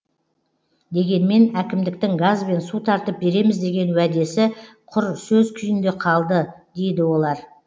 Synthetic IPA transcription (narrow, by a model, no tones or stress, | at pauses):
d̪e̞ɡʲe̞nme̞nækʲɪmd̪ɪk̚t̪ɪŋɡazbe̞nsut̪ʰɑɾt̪əp̚be̞ɾe̞mɪzd̪e̞ɡʲe̞nwæd̪e̞sɪ | qʰʊɾsɵzkʲʰʏjɪnd̪e̞qʰɑlˠd̪əd̪̥e̞jd̪ɪwo̞lˠɑɾ